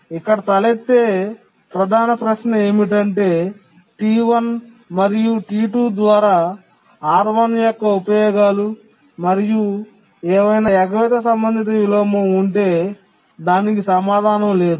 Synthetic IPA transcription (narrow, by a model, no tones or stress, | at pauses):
ikːɐɽɐt̪ɐlet̪ːe̞ː | pɾɐd̪ʱaːnɐpɾɐʃnɐeːmiʈ̬ɐɳʈe̞ː | ʈiːʋɐn | mɐɾijuʈiːʈuːd̪ʋaːɾaː | aːɾʋɐnjɔkːɐupɐjɔːɡaːlu | mɐɾiju | ɛːʋɐjnaːɛɡɐʋit̪ɐsɐmbɐnd̪ʱit̪ɐʋiloːmuuɳʈe̞ː | d̪aːnik̬isɐmaːd̪ʱaːnɐmle̞ːd̪u